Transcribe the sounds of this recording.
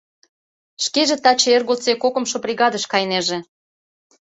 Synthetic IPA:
ʃkeʒĕt̪ɑt͡ɕeerɣolt͡sekokə̆mʃoprʲiɣɑd̪əʃkɑjneʒĕ

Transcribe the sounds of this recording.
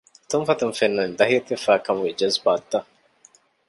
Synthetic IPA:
t̪umfɐt̪ɐmfenːɐnd̪ɐɦiɐt̪efaːkɐmwed͡ʒɐzbaːt̪ːɐ

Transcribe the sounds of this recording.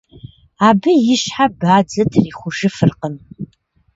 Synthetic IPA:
aːbɨjɪɕħabaːd͡zɐtʰriːχʷʊʒɨfɨrqəm

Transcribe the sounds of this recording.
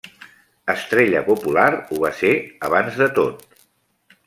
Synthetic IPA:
əst̪ɾeʎəpupulaɾuβ̞aseəβ̞anzðət̪ot̪̚

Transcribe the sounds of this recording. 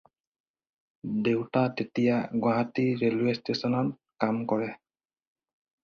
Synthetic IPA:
dewtatetijaɡwaɦatiɹeluestesɔnɔn | kamkɔɹɛ

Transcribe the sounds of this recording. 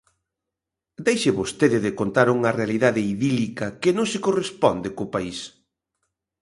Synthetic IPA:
d̪ejʃeβost̪eðɪðɪkont̪aɾuŋɐrealiðaðɪiðilikɐkɪnõŋsɪkorespɔnd̪ekʊpais

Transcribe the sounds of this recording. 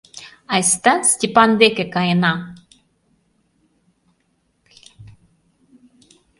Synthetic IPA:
ajst̪astʲipand̪ekekaena

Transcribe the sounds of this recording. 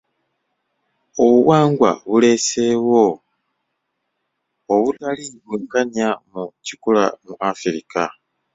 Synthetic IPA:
oβuwaːŋɡwa̰βule̞se̞ːwo̞ | oβutaliβweːkaɲjamucikula̰muʔafiɾika

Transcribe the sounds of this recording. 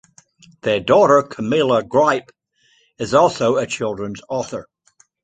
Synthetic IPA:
ðə˞dɔɾə˞kʰəmɪlˠəɡɹaɪp | ɪzɔlˠsoʊət͡ʃʰɪlˠdɹə̃nzɔθə˞

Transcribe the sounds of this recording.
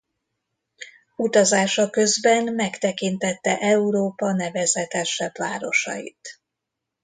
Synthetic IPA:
ut̪ɒzaːʃɒkø̞zbɛnmɛkt̪ɛkint̪ɛt̪ːɛʔɛuɾoːpɒnɛvɛzɛt̪ɛʃɛbvaːɾo̞̰ʃɒ̰jḭt̪

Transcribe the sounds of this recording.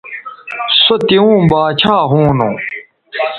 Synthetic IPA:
sot̪iũːbaːt͡ɕʰaːɦũːnṵ̃ː

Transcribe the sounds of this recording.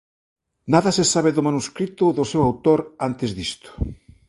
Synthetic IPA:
naðɐsesaβ̞eðʊmanuskɾit̪ʊðʊsewawt̪oɾant̪ezðist̪ʊ̥

